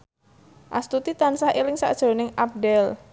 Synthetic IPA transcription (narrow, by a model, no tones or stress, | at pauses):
ʔa̰st̪ut̪it̪ansahilɪŋsa̰ʔd̥ʒ̥o̤nɪŋap̚dɛl